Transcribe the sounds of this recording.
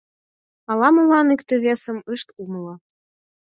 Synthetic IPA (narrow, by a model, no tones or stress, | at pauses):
ɑlˠɑmulɑnikt̪ĕβesə̆mɯʃt̪umlˠɤ